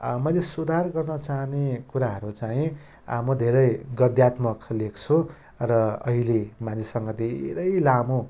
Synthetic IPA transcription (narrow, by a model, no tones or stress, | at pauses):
mʌjlesud̪ʱarɡʌrnʌt͡saɦnekuɾaɦʌɾut͡saĩ | mʌd̪ʱeɾʌjɡʌd̪jat̪mʌklekʰt͡sʰu | rʌʌɦilemanisʌŋɡʌd̪ʱḛɾʌjlamo